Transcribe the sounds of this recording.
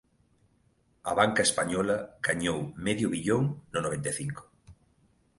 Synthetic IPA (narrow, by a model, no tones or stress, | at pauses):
ɐ̰βaŋkɐespaɲɔlɐɡ̥aɲowmɛðjʊβiʎoŋnʊnoβ̞ẽnt̪eθiŋkʊ̥